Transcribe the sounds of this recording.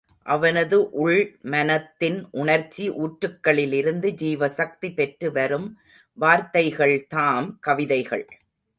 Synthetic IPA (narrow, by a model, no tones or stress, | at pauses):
ʔɐʋɐnɐðɯʔʊɭmɐnɐt̪ːɪnʔʊɳɐɾt͡ʃːiʔuːʈɾɯkːɐɭɪlɪɾɯnd̪ɯd͡ʒiːʋɐsɐk̚t̪ipɛʈrɯʋɐɾɯm | ʋaːɾt̪ɐɪɣɐɭt̪aːmkɐʋɪðɐɪɣɐ̰ɭ